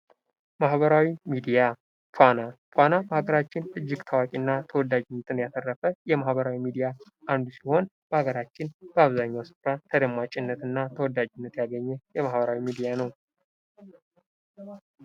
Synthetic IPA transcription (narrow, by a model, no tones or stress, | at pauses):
mahβəɾawimid̪ija | pʰanapʰʷanabəhaɡəɾat͡ʃːɪnɨd͡ʒːɪɡt̪ʰawakʼinːat̪ʰəwɔd̪ːad͡ʒɪnːət̪ʰʼɨnjat̪ʰərːəfəjɛmahbəɾawimid̪ija | ʔand̪usiho̞nb̥əhaɡəɾat͡ʃːɪnb̥əaβzaɲːawsɨ̥fɾat̪ʰəd̪əmːat͡ʃʼɪnːət̪ɨnːat̪ʰəwɔd̪ːad͡ʒɪnːət̪jaɡəɲːɛjɛmahbəɾawimid̪ijanəw